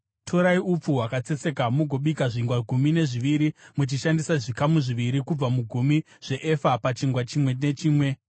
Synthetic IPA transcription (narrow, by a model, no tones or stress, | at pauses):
tʰoɾaiup͡fuɦwakat͡se̞t͡se̞kamuɡʱo̞ɓikaʐiŋɡwaɡʱumine̞ʐiʋiɾimut͡ʃiʃandisaʐikamuʐiʋiɾikub͡vamuɡʱumi | ʐ̥e̞ʔefapat͡ʃiŋɡwat͡ʃimwe̞ne̞t͡ʃiːmwe̞